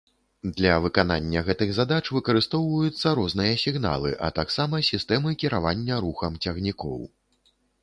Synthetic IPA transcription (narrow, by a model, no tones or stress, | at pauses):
d̪lʲɐvɨkana̰nʲːɐɣɛt̪ɨɣzad̪at͡ʂvɨkɐɾɨst̪ɔwvɐjut̪sːɐɾɔznɨjɐsʲiɣna̰lˠɨ̰ʔɐ̰t̪aksamɐsʲist̪ɛmɨkʲiɾavanʲːɐɾuxɐmt͡sʲaɣnʲikɔ̰w